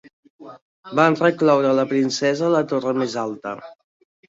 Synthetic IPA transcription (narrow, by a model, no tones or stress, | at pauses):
banrəklɔwɾələpɾinsɛzələt̪orəmezalˠt̪ə